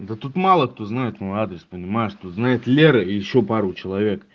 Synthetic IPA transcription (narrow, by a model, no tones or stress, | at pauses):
d̪ət̪ut̪malˠəkt̪oznajɪt̪mojad̪ɾʲɪspənʲɪmajɪʂt̪ut̪znajɪt̪lʲeɾəijɪɕːopaɾʊt͡ɕɪlˠɐvʲek